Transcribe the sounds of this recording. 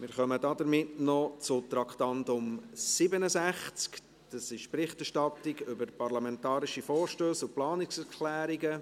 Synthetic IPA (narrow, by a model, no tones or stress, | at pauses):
mɪːɾχœmədɑdəɾmɪtnɔt͡sʊt̪ɾɑkχtɑndʊmsɪbənəsæχt͡sk | d̥ɑsɪʃpɾɪχtɛɾʃtɑtɪɡʏbəɾpɑrlɑmɛntɑːɾiʃifɔːɾʃtøːsʊplɑːnɪksɛkʰlæːɾiɡə